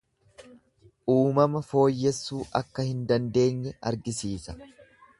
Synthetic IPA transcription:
ʔuːmɐmɐfo̞ːjːɛsːuːʔɐkːɐhɪnd̪ɐnd̪e̞ːɲːɛɐ̰ɾɡɪsiːsɐ̥

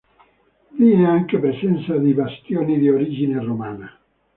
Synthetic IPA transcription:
viːneaŋkepɾesɛnt̪sad̪ibast̪joːnid̪ioɾid͡ʒineromaːna

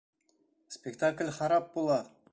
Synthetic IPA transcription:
spʲekt̪aklʲχɑɾɑp̚bolˠɑ

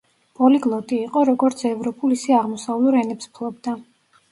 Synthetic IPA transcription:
pʼɔliɡlˠɔt̪ʼiːqʼɔɾɔɡɔɾt̪sʰɛvɾɔpʼulisɛaʁmɔsavlˠuɾɛnɛpspʰlˠɔbd̪a

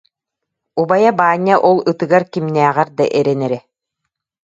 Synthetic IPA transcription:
ubajabaːɲːaʔɔlˠɯt̪ɯɡaɾkimnæːʁɛɾd̪a̰ʔɛɾɛnɛɾɛ

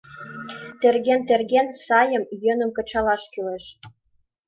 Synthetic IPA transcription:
t̪erɣent̪erɣensɑjə̆mjø̆nə̆mkɤ̆t͡ɕɑlɑʃkyleʃ

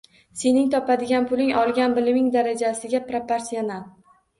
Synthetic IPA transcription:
se̞nɪŋt̪ʰɒpad̪ɪɡʲanpʰʊlɪŋɒlˠɡʲanbɪlɪmɪŋd̪aɾad͡ʒasɪɡʲapɾepeɾsional

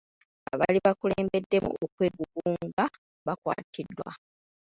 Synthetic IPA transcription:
a̰βaliβakuleːmbe̞dːe̞mṵokwe̞ːɡuɡuːŋɡa | βakwa̰ːtʰidːwa̰

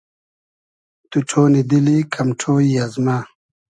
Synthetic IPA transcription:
t̪uʈʰoːnid̪ilikʰɐmʈ͡ʂʰoːjazma

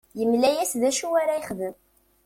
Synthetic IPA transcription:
jəmlæjæsðæʃuwaɾæiχðəm

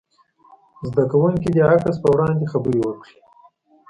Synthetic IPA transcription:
zd̪akawuŋkid̪əakəspəwɾɑːnd̪exabəɾiwəkɽi̥

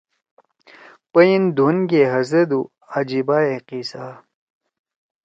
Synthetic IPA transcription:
pəjind̪ʱunɡeɦɐzɐd̪u | ad͡ʑibaːeqiːsaː

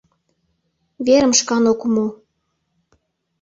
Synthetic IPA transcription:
βeɾə̆mʃkɑnokumo

